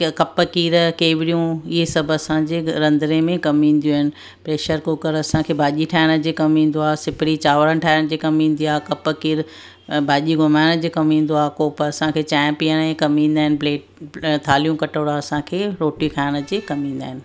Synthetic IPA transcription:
kɐpəkiːɾkeːʋɪɽijũɪɦesɐbʱɐsãd͡ʑeːɾɐ̃nd̪ɾemẽkɐmĩːn̆d̪ijoːɦɪnɪ̆ | pɾeːʃəɾkokɐɾɐsãkʰeːbʱaːʄiʈʰaːɪɽ̃əd͡ʑeːkɐmĩːn̆d̪oaːsɪpɪɽit͡ɕaːʋəɾən̆ʈʰaːɪɽ̃d͡ʑeːkɐmĩːn̆d̪iaːkɐpəkiːɾ | bʱaːʄiɡʊmaːɪɽ̃d͡ʑeːkɐmĩːn̆d̪oaːkoːpəɐsãkʰeːt͡ɕɛ̃ːmpijəɽẽkɐmĩːn̆d̪aːɦɪnɪpleːʈt̪ʰaːlijũkɐʈoːɽaɐsãːkʰeːɾoːʈikʰaːɪɽ̃ə̆d͡ʑeːkɐmĩːnd̪aːɦɪnɪ̆

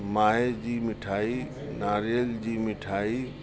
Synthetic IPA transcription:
maed͡ʒimiʈʰai | naɾeld͡ʒimɪʈʰai

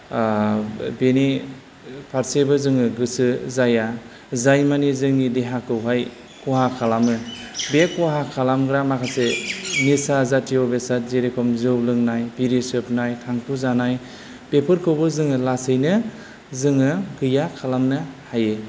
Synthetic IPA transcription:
beni | pʰaɾsebɯzɯŋɯɡɯsɯzaja | zajmanizɯŋnideɦakʰɯwɦaj | kɔɦakʰalamɯbekɔɦakʰalamɡɾamakʰasemisazatʰiɔbesat̚zeɾekʰɔmzɯwlɯŋnajbiɾisɯpnajtʰaŋpʰuzanaj | pepʰɯɾkʰɯwbɯzɯŋɯlasɯjnɯ | zɯŋɯɡɯjakʰalamnɯhaje

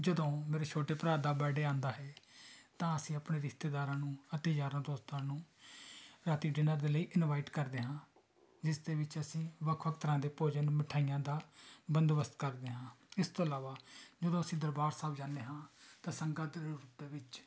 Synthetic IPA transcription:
d͡ʒəd̪õːmeːɾeːt͡ʃʰoːʈeːpɾaːd̪aːbɛːɖeːãːnd̪aːɦɛːt̪ãːəsĩːəpɳeːɾɪkʰt̪eːd̪aːɾãːnũːət̪ed͡ʒaːɾãːd̪oːst̪ãːnũː | ɾaːt̪iːɖɪnãːd̪eːləiːʔɪnʋaːɪʈkəɾd̪eːɦãː | d͡ʒɪsd̪eːʋɪt͡ʃəsĩːʋəkʰʋəkʰt̪əɾãːd̪eːpoːd͡ʒaːnũːmɪʈʰaːijãːd̪aːbənd̪ʋəst̪kəɾd̪eːɦãːɪst̪oːəlaːʋaːd͡ʒəd̪õːəsĩːd̪əɾbaːɾsaːbd͡ʒãːneːɦãːt̪ãːsəŋɡaːd̪ɾɾuːp̚d̪eːʋɪt͡ʃ

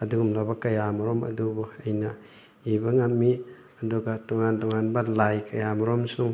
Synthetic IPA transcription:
ɐduɡumlabɐkɐjamɔɾɔmɐ̰dubuɐjnɐ | ibɐŋamːi | ɐduɡatɔŋantɔŋanbɐlajkɐjamɔɾɔmsuŋ

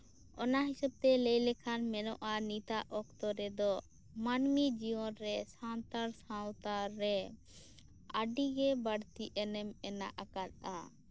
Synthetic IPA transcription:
ɔnaɦisəb̚t̪ɛlɛjlɛkʰanmɛnɔʔanit̪aʔɔk̚t̪ɔɾɛd̪ɔ | manmid͡ʒiwɔnɾɛsãnt̪aɾsãwt̪aɾɛ | aɖiɡɛbaɽt̪iʔɛnɛmɛna̰ʔakat̪̚a̰

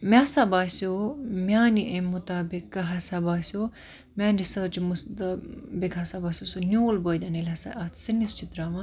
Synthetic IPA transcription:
mʲasabaːsomʲaːniʔemut̪aːbikɦɐsabaːsʲo | mʲaːnɾisəːɾt͡ʃmusd̪ɐbikɦɐsabaːsʲosonʲoːlbəːd̪anelʲɐsa̰ʔaːt̪ʰsinist͡ʃʰit̪ɾaːʋɐ̃

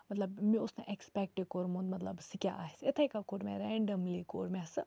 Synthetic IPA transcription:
mɐt̪lɐbmĩʊsneʔekspek̚ʈekoɾmõnd̪mɐt̪lɐbsikʲja̰ʔaːɦset̪ʰaikakoːɾmʲẽɾɛɳɖəmlikoːɾmʲɛsɨ

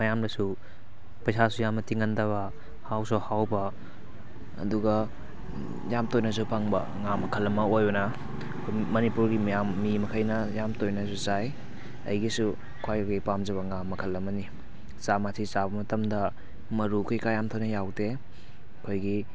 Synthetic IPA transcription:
mɐjamdɐsu | pɐjsasujamɐtiŋɐndɐβɐ | hawsɔhawbɐ | ɐ̰duɡɐ | jamtojnɐs̬upʰaŋbɐ̰ | ŋamɐkʰɐlːɐmɐojbɐnɐ | kʰomɐnipuɾɡimjamːimɐkʰɐjnɐjamtojnɐs̬ut͡ʃaj | ɐ̰jɡisu | kʰwajɡipamd͡ʒɐβɐŋamːɐkʰɐlːɐmɐni | t͡ʃamatʰit͡ʃabɐmɐtɐmdɐ | mɐɾukʰijkajamtʰownɐjawte | kʰojɡi

